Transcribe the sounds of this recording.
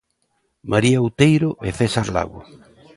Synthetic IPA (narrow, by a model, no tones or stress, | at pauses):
mʔaɾiawt̪ejɾʊʔefesaɾla̰ɣʊ̰